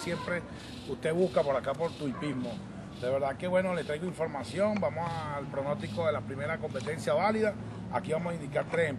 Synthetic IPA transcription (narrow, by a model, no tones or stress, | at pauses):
sjempɾe | ust̪e̞βuskapo̞ɾakapoɾt̪uipizmo | d̪e̞β̞e̞ɾðake̞βwe̞no̞let̪ɾajɣoiɱfo̞ɾmasjo̞ŋbamosalpɾono̞st̪ikoðelapɾime̞ɾako̞mpe̞t̪e̞nsjaβaliða | a̰kiβamosaĩnd̪ikaɾt̪ɾesem